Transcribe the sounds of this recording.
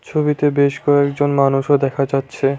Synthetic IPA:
t͡ɕʰobit̪ebeʃkɔekd͡ʑonmanuʃod̪ɛkʰad͡ʑatːɕʰe

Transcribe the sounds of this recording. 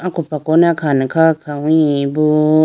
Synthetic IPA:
akupakonakʰanĩkakʰawĩbu

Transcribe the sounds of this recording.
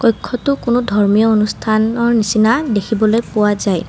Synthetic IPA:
kɔjkʰːɔtʊkʊnʊdʱɔɹmijɔonustʰanɔɹnisinadekʰibɔlojpʊwazaj

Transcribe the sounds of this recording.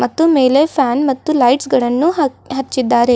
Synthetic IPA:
mɐt̪ːumeːlepʰaːnmɐt̪ːulɐjʈsɡɐɭɐnːuɦɐt͡ʃːid̪ːaːɾe̞

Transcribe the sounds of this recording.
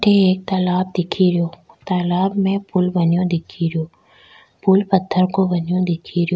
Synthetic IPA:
ʈʰeɦeːk̚t̪aːlaːb̚d̪ɪkʰiɾijoː | t̪aːlaːbmẽpʊlʋɐɲijõd̪ɪkʰiɾijoː | pulpɐt̪ʰːəɾkoʋɐɲjõd̪ɪkʰiɾjoː

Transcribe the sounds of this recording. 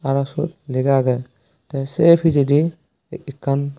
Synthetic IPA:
aɾasṵt̪̚liɡaɡɛ | tɛsepʰid͡ʒidiː | kʰːan

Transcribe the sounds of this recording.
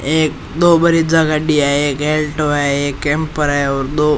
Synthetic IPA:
ek | d̪obəɾid͡zəɡaɖiaɦeekelʈoaeekːempəɾaeɔɾd̪o

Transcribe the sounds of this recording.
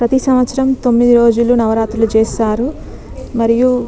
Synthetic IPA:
pɾɐt̪isɐmʋɐt̪sɐɾɐmt̪o̞mːid̪iɾo̞ːd͡ʒulunɐʋɐɾaːt̪ɾulut͡ʃeːsaːɾu | mɐɾiju

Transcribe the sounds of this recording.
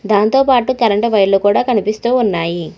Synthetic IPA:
d̪aːnt̪oːpaːʈukɐlɐɳʈɐʋɐjlukuːɽaːkɐnipist̪uːnːaːji

